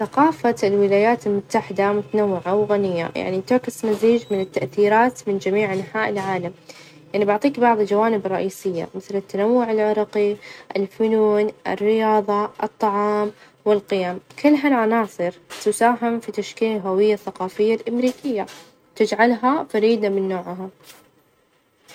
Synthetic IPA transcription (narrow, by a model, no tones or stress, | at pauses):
θɑqɑːfalwɪlaːjaːt̪ɪlmʊt̪ːaħɪd̪amʊt̪anawːɪʕawɣanɪjːa̰ja̰ʕnit̪ɪʕkɪsmaziːd͡ʒmɪnɪt̪ːaʔθiːɾaːt̪mɪnd͡ʒamiːʕʔanħaːʔɪlʕaːlam | jaʕnibaʕt̪ˤiːkbɑʕðˤld͡ʒawaːnɪbrˤːɑʔiːsɪjːa̰mɪθlɪt̪ːanawːʊʕɪlʕɪɾˤɑːqiʔɪlfʊnuːnʔɪ̰rːɪjɑːðˤɑʔɨt̪ˤːɑʕɑːm | wɪlqɪjaːmkʰɪlːɦalʕɑnɑːsˤɨɾt̪ʊsaːɦɪmfit̪aʃkiːnɦawɪjːaθːaqɑːfɪjːalʔamɾiːkɪjːa | t̪ɪd͡ʒʕalɦafaɾiːd̪amɪnːoːʕɦa